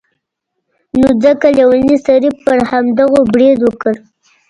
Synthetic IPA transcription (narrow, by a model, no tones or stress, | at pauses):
nod͡zəkaljawalnist̪aɾipːəɾhamd̪aɣobɽed̪wəkəɾ